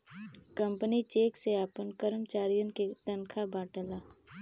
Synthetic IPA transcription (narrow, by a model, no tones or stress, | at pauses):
kə̃mpənit͡ʃeːkseaːpənkəɾəmt͡ʃaːɾijə̃nket̪ənkʰabaːʈəlaː